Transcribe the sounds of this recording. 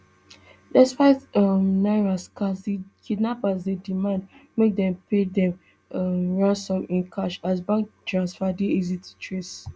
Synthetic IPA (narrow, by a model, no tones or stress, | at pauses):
dɛspaɪtamnaɹaskasikʰidnapasdedimãndmek̚dɛ̃mpʰedɛ̃m | ɹãnsɔ̃mĩnkʰaʃasbãŋktɹãnsfadiizitʰu̥tʰɹes